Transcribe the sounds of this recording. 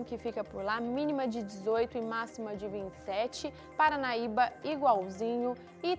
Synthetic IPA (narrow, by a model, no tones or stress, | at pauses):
kɪfikɐpʊɾlamĩnimɐd͡ʒɪd͡ʒɪzojt̪ʊɪmasimɐd͡ʒɪvĩt͡ʃɪ̥sɛt͡ʃɪ | paɾɐnaibɐiɡwawzĩɲʊ | ɪ